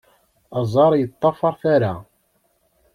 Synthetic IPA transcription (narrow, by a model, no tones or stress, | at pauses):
ɑzˤɑɾˤjət̪ˤːɑfɑɾˤθaɾa